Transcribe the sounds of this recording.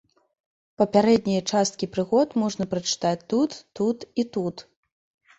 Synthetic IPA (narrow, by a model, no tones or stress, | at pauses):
pɐpʲaɾɛd̪̚nʲɐjɐt͡ʂast̪̚kʲipɾɨɣɔt̪mɔʐnɐpɾɐt͡ʂɨ̥t̪at͡sʲt̪ut̪ːut̪it̪ut̪